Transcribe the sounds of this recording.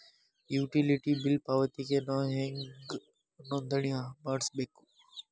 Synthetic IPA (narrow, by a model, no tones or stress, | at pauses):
juːʈiliʈibilpaʋət̪ikenɔɦẽŋɡ | nõnd̪ʱəɳijãmaɽsbeku̥